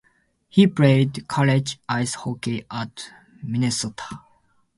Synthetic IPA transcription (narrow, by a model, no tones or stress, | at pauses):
hipɾeɪdkʰaled͡ʒaɪshokeʔat̪ | minesot̪ʰḁ